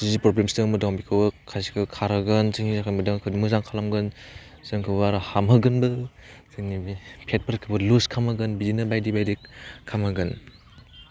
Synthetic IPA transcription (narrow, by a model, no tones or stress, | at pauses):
sizipɾɔblemsdɯŋmɯdɔŋbikʰɯwɯkʰajsi̥kʰɯkʰaɾɯɡɯnzɯŋizakʰamɯdɯŋkʰɯduŋmɯzaŋkʰalamɡɯn | zɯŋkʰɯwbaɾɯhamɦɯɡɯnbɯzɯnipʰet̚pʰəɾkʰɯbɯluskʰamɯɡɯnbizinɯbajdibajdikkʰːamaɡɯn